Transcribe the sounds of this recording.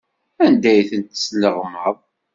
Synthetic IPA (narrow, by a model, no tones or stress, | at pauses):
ænd̪æjθənt̪sləʁmːəðˤ